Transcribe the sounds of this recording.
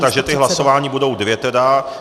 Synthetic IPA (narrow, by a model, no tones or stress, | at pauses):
t̪aɡʒɛt̪ɪɦlaso̞vaːɲibudo̞wdvjɛt̪ɛda